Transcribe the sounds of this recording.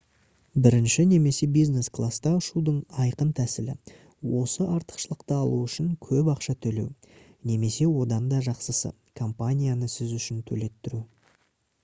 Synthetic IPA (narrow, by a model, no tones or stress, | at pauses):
bɪɾɪnʃɪne̞me̞se̞bijzne̞sklˠast̪ɑʊʃud̪əɴɑjqənt̪ʰæsɪlɪ̰ | wo̞səʔɑɾt̪ə̥qʃəlˠəqt̪əɑlˠuʏʃɪŋkʲʰɵpɑqʃɑt̪ʰɵle̞̰w | ne̞me̞se̞wo̞d̪ɑnd̪ɑʒɑqsəsə̰ | kʰo̞mpanʲijanəsɪzʏʃɪnt̪ʰɵ̰le̞t̪ːɪɾu